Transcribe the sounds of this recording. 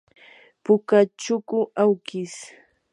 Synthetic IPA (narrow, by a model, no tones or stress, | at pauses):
pʊkat͡ʃʊkʊʔawkɪs